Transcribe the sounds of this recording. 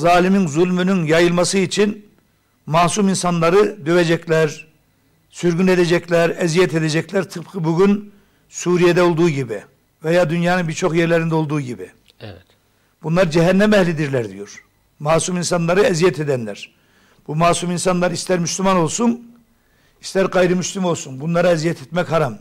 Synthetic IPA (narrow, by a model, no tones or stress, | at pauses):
zaːlʲiminzulʲmynynjajɯlˠmasɯit͡ʃʰin | maːsuminsanlˠaɾɯd̪øved͡ʒɛclʲæɾ | syɾɡyned̪ed͡ʒɛclʲæɾɛzijɛt̪ʰed̪ed͡ʒɛclʲæɾt̪ʰɯp̚kʰɯbuɟyn | suːɾijed̪ɛo̞lˠd̪uːɟibi | vejaːd̪ynjaːnɯnbiɾt͡ʃʰo̞xjɛɾlʲeɾind̪ɛo̞lˠd̪uːɟibḭ | b̥unlˠaɾd͡ʒɛɦɛnːɛmɛhlʲid̪iɾlʲæɾd̪y̰joɾ̥ | maːsuminsanlˠaɾɯɛzijɛt̪ʰed̪ænlʲæɾ̥ | b̥umaːsuminsanlˠaɾist̪ʰæɾmyslʲymano̞lˠsun | ist̪æɾɡɑjɾɯmyslʲimo̞lˠsunbunlˠaɾaɛzijɛt̪ʰet̪mɛchaɾam